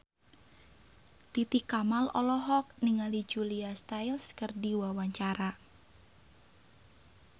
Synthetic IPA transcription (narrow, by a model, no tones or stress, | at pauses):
t̪it̪ikamalɔ̰lɔɦɔk̚niŋalid͡ʒuliast̪ajlskərdiwawaɲt͡ʃaɾa